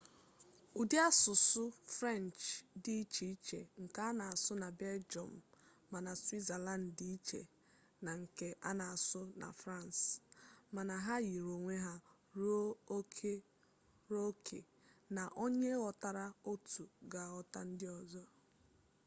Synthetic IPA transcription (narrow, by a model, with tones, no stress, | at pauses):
u˨dɪ˦a˦sʊ˨sʊ˦fɾɛ˦˨nt͡ʃdi˦i˦t͡ʃi˨i˦t͡ʃe˨ŋ̩˨ka˦a˦na˨a˨sʊ˦na˨bɛ˦ld͡ʒɔ̰˨m̩ː˨ | a˨na˨si˦za˨la˦˨n˨di˦i˦t͡ʃḛ˨ | na˨ŋ̩˨ke˦ʔa˦na˨a˨sʊ˦na̰˨fɾa˦˨nsma˨na˨ɦa˦ji˨ɾo˨ŋʷe˦ɦa˦ | ɾkʰe˦ | ɾo˦kʰḛ˨ | na˨ʔo˦ɲe˦ɔ˨ta˦ɾa˦o˦tu˨ɡa˨ɔ˦ta˦n̩˦dɪ˦ɔ˨zɔ˦